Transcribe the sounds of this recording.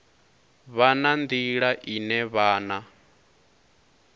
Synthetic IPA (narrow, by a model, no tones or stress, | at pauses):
βanand̪iɺaʔinɛβaːna